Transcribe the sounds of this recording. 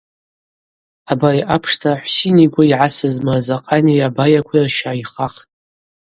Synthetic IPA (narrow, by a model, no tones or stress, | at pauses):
abajʔapʰʂtʰaħʷsiniɡʷaiʕasɨzmazaqʼaniabajakʷʰrʃaːiχaχtʼ